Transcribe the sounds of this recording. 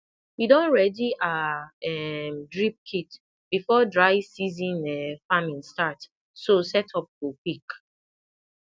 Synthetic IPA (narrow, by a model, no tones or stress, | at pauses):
widɔ̃nɹɛdiʔaɛmdɹip̚kʰit | b̥ifɔdɹaɪsizĩnɛfamĩnstat | sosɛtʰɔp̚wupik